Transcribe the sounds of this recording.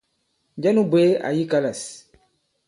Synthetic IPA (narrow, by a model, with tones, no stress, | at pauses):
d͡ʒa˦nu˦bwe˦a̰˨ji˦ka˦la˨s